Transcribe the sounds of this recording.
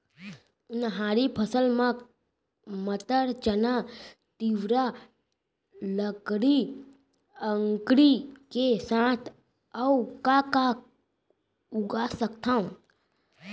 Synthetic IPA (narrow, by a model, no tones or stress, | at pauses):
ʊnɦaːɾipʰəsəlmã | mət̪əɾt͡ʃənat̪iʋɾa | ləkɽi | əŋkɾikesãːt̪ʰ | əukaka | ʊɡasəkt̪ʰaũ